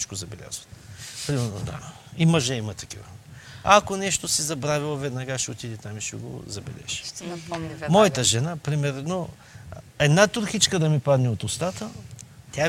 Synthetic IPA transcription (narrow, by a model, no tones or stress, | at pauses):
it͡ʃkozɐbɛlʲa̰zvɐt̪pɾimɛɾno̰d̪a̰ | imɐʒɛimɐt̪ɐkivɐ̰akonɛʃt̪osizɐbɾavʲilˠovɛd̪nɐɡaʃɛot̪id̪ɛt̪amiʃɛɡo̰zɐbɛ̰lɛ̰ʒ̥i̥ | mɔjɐt̪əʒɛnapɾimɛɾno | ɛd̪nat̪ʊɾxit͡ʃkəd̪ɐmipad̪nʲɛot̪ʊst̪at̪ət̪ʲa